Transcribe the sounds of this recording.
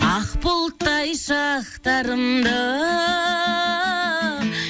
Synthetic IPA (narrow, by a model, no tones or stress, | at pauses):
ɑqpolˠt̪ːɑjʃɑqt̪ɑɾəmd̪ə